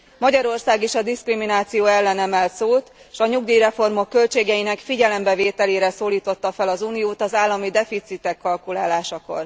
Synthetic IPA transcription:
mɒɟɒɾo̞rsaːɡeʃɒd̪iskriminaːt̪sijoːɛlːɛnɛmɛlt̪soːt̪ | ʃɒɲuɡd̪iiɾɛfo̞rmo̞kːø̞lt͡ʃeːɡɛjinɛkfiɟɛlɛmbɛveːt̪ɛleːɾɛsoːliːt̪o̞t̪ːɒfɛlɒzuːnijoːt̪ɒzaːlːɒmid̪ɛfit̪sit̪ɛkːɒlkulaːlaːʃɒko̞̰r

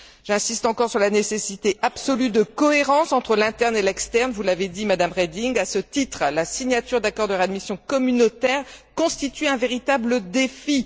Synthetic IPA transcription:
ʒ̥ɛ̃sist̪ɑ̃kɔʁsyʁlanesesit̪eʔapsɔlyd̪əkɔeʁɑ̃sɑ̃t̪χəlɛ̃t̪ɛʁnelɛkst̪ɛʁnvulaved̪imad̪amʁed̪iŋɡasət̪it̪χlasiɲjat̪yʁd̪akɔʁd̪əʁad̪misjɔ̃kɔmynot̪ɛʁkɔ̃st̪it̪yɛ̃veʁit̪abləd̪efi

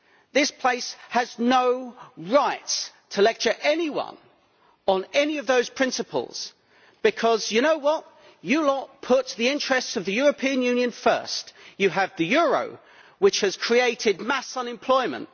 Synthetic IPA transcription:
ðɪspʰl̥eɪshəznoʊɹaɪtstʰəlɛk̚t͡ʃə˞ʔɛniwʌ̰̃n | ə̃nɛniʌvðoʊz̥pʰɹ̥ɪ̃nsɨpʰə̰l̩ˠz̥ | b̥ɨkʰɒzjɨnoʊwʌt | ɨlɔt̚pʰʊt̪̚ðiɪ̃nt͡ʃɹ̥ɛstsʌvðɨjʊɹəpʰĩɨ̃njʉ̃njɨ̃nfɜ̰ˑ˞stjɨːvðɨjʊɹə̰ʊ | wɨt͡ʃhɨz̥kʰɹ̥ieɪɾɪd̚mæsʌ̃nɨ̃mpʰl̥ɔɪmə̰̃nt

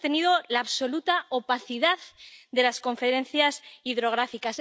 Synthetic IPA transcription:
t̪e̞niðo̞laːβso̞lut̪aopaθiðaððe̞lasko̞ɱfe̞ɾẽ̞n̟θjasiðɾo̞ɣ̞ɾafikas

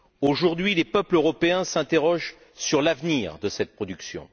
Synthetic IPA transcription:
oʒuʁd̪ɥilepœpløʁɔpeɛ̃sɛ̃t̪eʁɔʒ | syʁlavniːʁd̪əsɛt̪̚pχɔd̪yksjɔ̰̃

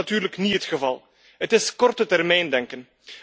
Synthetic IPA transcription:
atyːɾləkniɦətxəvɑlˠ | ɦətɪskɔrtətɛrmɛjndɛŋkən

